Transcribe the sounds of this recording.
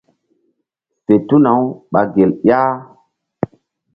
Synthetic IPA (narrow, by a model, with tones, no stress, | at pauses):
fe˨tu˦na˨wɓa˨ɡe˨ljaː˦